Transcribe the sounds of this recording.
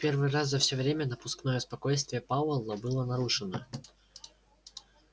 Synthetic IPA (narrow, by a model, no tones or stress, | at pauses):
pʲervɨjraszɐfsʲovɾʲemʲənəpʊsknojəspɐkojst̪vʲɪjəpawəlˠːəbɨlˠənɐɾuʂɨnə